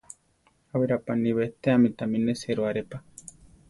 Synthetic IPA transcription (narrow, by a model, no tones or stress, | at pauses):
aweɾapaniβet̪eamit̪amineseɾoaɾepa